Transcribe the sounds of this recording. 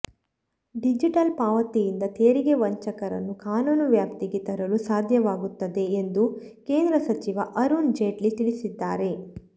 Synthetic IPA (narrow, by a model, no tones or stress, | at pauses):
ɖid͡ʒiʈɐlpaːʋɐt̪ijind̪ɐt̪eːɾiɡe̞ʋɐɲt͡ʃɐkɐɾɐ̰nːukaːnuːnuʋjaːpt̪iɡet̪ɐɾɐlusaːd̪ʱjɐʋaːɡut̪ːɐd̪e̞ːnd̪uke̞ːnd̪ɾɐsɐt͡ʃiʋɐʔɐɾund͡ʒeːʈlit̪iɭisid̪ːaːɾe̞